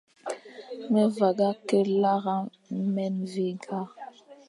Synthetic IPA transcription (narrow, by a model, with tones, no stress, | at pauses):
mɛ˦va˨ɡa˦kɛ˦la˦ɣa˦ | mɛ˦nvi˦ɡa˦